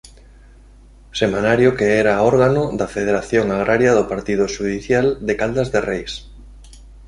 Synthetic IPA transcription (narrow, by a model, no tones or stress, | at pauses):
semanaɾjokeɛɾaɔɾɣanʊd̪afeð̞eɾaθjoŋaɣ̞ɾʔaɾjaðʊpaɾt̪ið̞ʊʃuðiθjald̪ekald̪azðerejs